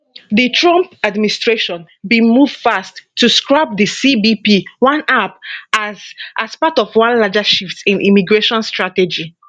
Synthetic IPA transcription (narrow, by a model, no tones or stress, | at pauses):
ðitʰɹɔ̃mpadministɹeʃɔ̃n | bĩmuv̥fastʰːuskɹap̚disibipiwãnapazʔaspatɔfwãnlad͡ʒaʃiftĩnʔḭmiɡɹeʃɔ̃nstɹatɛd͡ʒi